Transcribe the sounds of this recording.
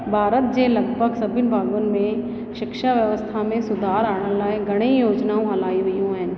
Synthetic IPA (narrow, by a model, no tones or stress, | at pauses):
bʱaːɾət̪̚d͡ʒeːlɐɡbʱəɡsɐbʱɪnbʱaːɡənmẽ | ʃɪkʃaʋjəʋəst̪ʰamẽsʊd̪ʱaːɾaːɽ̃ə̃nlaeɡɐɽ̃ejoːd͡ʒnaõɦɐlaːiɦʊiɦõɦɛ̃ː